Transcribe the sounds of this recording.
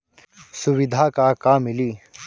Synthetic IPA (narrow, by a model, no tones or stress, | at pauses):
sʊwɪd̪ʱaːkakaːmːɪliː